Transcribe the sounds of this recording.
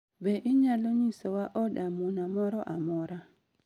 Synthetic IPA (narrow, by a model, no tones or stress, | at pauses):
bɛʔiɲaloɲisɔwaʔɔɗamunamɔɾɔʔamɔɾa